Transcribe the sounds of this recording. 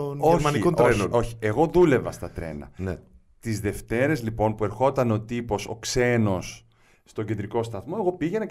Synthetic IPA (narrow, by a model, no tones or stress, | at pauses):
onoɾmɐnikonenono̞çi̥e̞ɣo̞ðule̞vɐst̪ɐt̪ɾe̞̰nɐ̰ne | t̪izðe̞ft̪e̞ɾe̞zlipo̞npue̞ɾxo̞t̪ɐno̞t̪ipo̞so̞̰kse̞no̞sː | t̪o̞ɟe̞nd̪ɾiko̞st̪ɐθmo̞e̞ɣo̞piʝenɐ